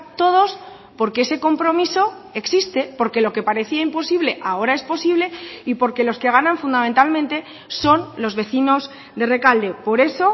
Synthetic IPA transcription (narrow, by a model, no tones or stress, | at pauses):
t̪o̞ð̞o̞s | po̞ɾkeese̞ko̞mpɾo̞miso̞ | e̞ksist̪e̞po̞ɾke̞lo̞ke̞paɾe̞θiaimpo̞siβ̞le̞ʔao̞ɾae̞spo̞siβle̞ipo̞ɾke̞lo̞ske̞ɣ̞anãɱfund̪amẽnt̪almẽnt̪e̞ | so̞nlo̞zβe̞θino̞z | d̪e̞re̞kald̪e̞po̞ɾe̞so̞